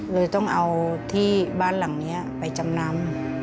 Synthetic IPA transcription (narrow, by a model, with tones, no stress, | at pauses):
lɤː˧jt̪ɔ˥˩ŋʔa˧wt̪ʰiː˥˩baː˥˩˨nla˨˩˦ŋni˦˥ɐpa˨jt͡ɕa˨˧mna˧˥m